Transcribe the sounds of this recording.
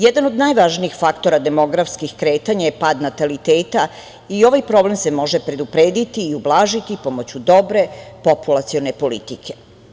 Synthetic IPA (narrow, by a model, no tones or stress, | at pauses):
jed̪ano̞d̪najʋaʒniixfakt̪o̞ɾad̪e̞mo̞ɡɾafskixkɾe̞ːt̪aɲajepaːd̪nat̪alit̪eːt̪a | io̞ʋajpɾo̞ble̞mse̞mo̞ʒe̞pɾe̞d̪upɾeːd̪it̪iːublˠaːʒit̪ipo̞mo̞t͡ɕud̪o̞bɾe̞po̞pulˠat̪sio̞ne̞po̞lḭt̪ikʰe̞̥